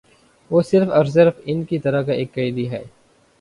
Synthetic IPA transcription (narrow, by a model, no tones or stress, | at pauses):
ʋoːsɪɾfɐɾzəɾfɪnkit̪ɐɾakaʔeːkːɐid̪iɦɛː